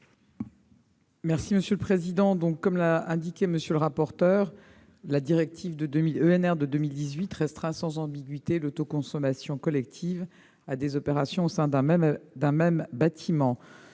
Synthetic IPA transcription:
mɛʁsiməsjøləpχezid̪ɑ̃d̪ɔ̃kːɔmlaɛ̃d̪ikʲɛməsjøləʁapɔʁt̪œʁ | lad̪iʁɛk̚t̪ʰivd̪əd̪ømiløɛnɛʁd̪əd̪əmild̪izɥit̪ʁɛst̪χɛ̃sɑ̃zɑ̃biɡʲɥit̪elot̪okɔ̃sɔmasjɔ̃kɔlɛk̚t̪ʰiv | ad̪ezɔpeʁasjɔ̃osɛ̃d̪ɛ̃d̪ɛ̃mɛmbat̪ʰimɑ̃

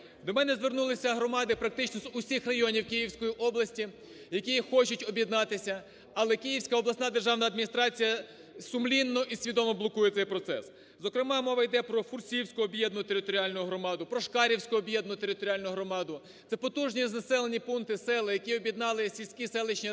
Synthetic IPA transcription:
d̪ɔmɛnɛzʋernulˠɪsʲɐɦɾɔmɑd̪ɪpɾɐk̚t̪ɪt͡ʃnɔzʊsʲixrɐjɔnʲiwkijiwsʲkɔjiʔɔblˠɐsʲtʲi | jɐkʲixɔt͡ʃʊtʲɔbʲjid̪nɑt̪ɪsʲɐ | ɐlˠɛkijiwsʲkɐɔblˠɐsnɑd̪erʒɑwnɐd̪mʲinʲist̪ɾɑt͡sʲijɐ | sʊmlʲinːɔʔisʲʋʲid̪ɔmɔblˠɔkujɛt̪sɛjpɾɔt̪sɛ̰s | zɔkɾɪmɑmɔʋɐjd̪ɛpɾɔfursʲijiwsʲkʊɔbjɛd̪nʊt̪eɾɪt̪ɔɾʲiɑlʲnʊʊɦɾɔmɑd̪ʊpɾɔʃkɑɾʲiwsʲkʊɔbjɛd̪nʊt̪eɾɪt̪ɔɾʲɑlʲnʊɦɾɔmɑd̪ʊ | t̪sɛpɔt̪uʒnʲiznɐsɛlˠenʲipunt̪ɪsɛlˠɐjɐkʲiɔbʲjid̪nɑlˠɪsʲilʲsʲkʲisɛlˠɪt͡ʃnʲi

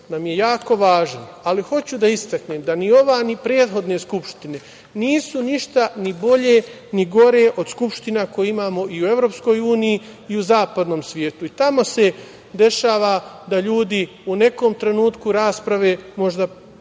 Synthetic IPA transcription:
namje̞jaːko̞ʋaːʒan | aliho̞t͡ɕud̪aist̪akneːmd̪anio̞ʋaːnipɾeːd̪xo̞d̪ne̞skupʃt̪ine̞ | niːsuniʃt̪anibo̞ʎe̞ | niɡo̞ɾe̞ʔo̞d̪skupʃt̪inako̞jeimaːmo̞ʔiue̞vɾo̞ːpsko̞ːjuːnijiː | uzaːpad̪no̞ːmsʋʲje̞ːt̪uit̪amo̞se̞ | d̪e̞ʃaːʋad̪aʎuːd̪i | une̞ko̞ːmt̪ɾe̞nuːt̪kuɾaːspɾaʋe̞ːmo̞ʒd̪a

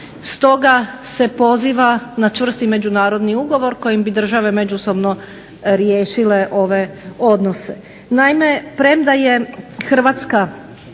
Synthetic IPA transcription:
st̪o̞ɡase̞po̞ziːʋanat͡ʃʋr̩st̪ime̞d͡ʑunaːɾo̞d̪niuɡo̞ʋo̞ɾko̞jimbid̪r̩ʒaʋe̞me̞d͡ʒuso̞bno̞ | ɾjeːʃile̞ʔo̞ʋe̞o̞d̪no̞se̞ | najme̞pɾe̞md̪aje̞xr̩ʋat̪ska

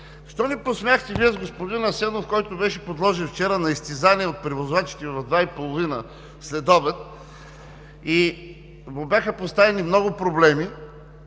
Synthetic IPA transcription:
ʃt̪ɔniposmʲaxt̪ɛviəzɡospod̪inɐsɛnofkɔjt̪ʊbɛʃɛpod̪lˠɔʒɛnft͡ʃɛɾənɐist̪izaniɛot̪̚pɾivozvat͡ʃi̥t̪ɛvɐvd̪vaipolˠovinə | slɛd̪ɔbɛt̪̚ | i | vobʲjaxəpost̪avɛnimnɔɡʊpɾoblɛmi

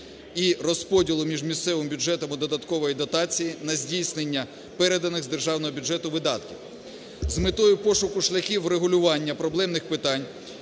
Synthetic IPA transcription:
irɔspɔdʲilˠʊmʲiʒmʲist̪sɛʋɪmbʲuʒɛt̪ɔmʊd̪ɔd̪ɐt̪kɔʋɔjid̪ɔt̪ɑt͡sʲijinɐzʲdʲijsnenʲːɐ | pɛɾed̪ɐnɪɣzd̪erʒɑwnɔɦɔbʲʊd͡ʒɛt̪ʊʋɪd̪ɑt̪kʲiw | zmɪt̪ɔjʊpɔʃʊkʊʃlʲɐxʲiwreɦʊlʲʊʋɑnʲːɐpɾɔblˠɛmnɪxpɪt̪ɑnʲ

